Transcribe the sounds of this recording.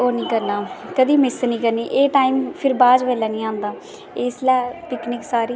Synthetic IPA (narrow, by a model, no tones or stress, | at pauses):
oːnĩːkəɾnaːkəd̪iːmɪsnĩːkəɾniːʔeːʈaːiːmpʰɪɾbaːd͡ʒʋɛːlɛːnĩːãːnd̪aː | eːɪslɛːpɪknɪksaːɾiː